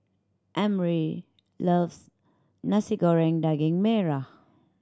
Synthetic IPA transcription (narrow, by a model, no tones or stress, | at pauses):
ʔɛ̃mɹi | lʌvs | nasiɡɔɹɛ̃ŋdaɡɪ̃ŋmɛɹa